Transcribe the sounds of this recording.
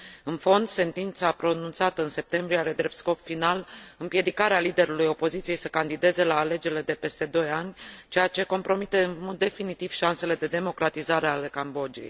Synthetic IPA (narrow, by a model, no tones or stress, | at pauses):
ɨnfo̞nd̪se̞nt̪int̪sapɾo̞nunt̪sat̪əɨnse̞p̚t̪e̞mbɾieaɾe̞d̪ɾe̞p̚t̪sko̞pfinalɨmpje̞d̪ikaɾealid̪e̞ɾulujo̞po̞zit̪sije̞jsəkand̪id̪e̞ze̞laːle̞d͡ʒe̞ɾile̞d̪e̞pe̞st̪e̞d̪o̞janʲt͡ʃejat͡ʃe̞ko̞mpɾo̞mit̪e̞ɨnmo̞d̪̚ːe̞finit̪iv̥ʃanse̞le̞d̪e̞d̪e̞mo̞kɾat̪izaɾe̞ale̞kambo̞d͡ʒiḛj